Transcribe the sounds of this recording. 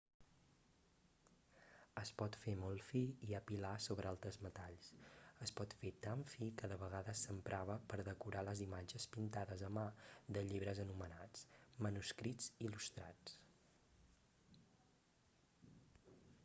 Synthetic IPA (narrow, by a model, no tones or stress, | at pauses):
əspɔt̪femɔlˠfiiəpilasoβɾəalˠt̪ɾəzmət̪aʎsəspɔt̪fet̪aɱfikəðəβəɣaðəsəmpɾʔaβəpəɾðəkuɾaləzimad͡ʒəspint̪aðəzəmad̪əʎiβɾəzənumənat͡smənuskɾid͡zilust̪ɾa̰t͡s